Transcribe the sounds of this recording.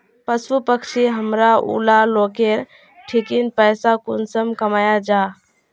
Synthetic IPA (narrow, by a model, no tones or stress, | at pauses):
pəsupəkt͡ʃʰiɦəmɾaṵlalokeɾ | ʈʰikinpəjsakunsəmkəmajad͡ʒa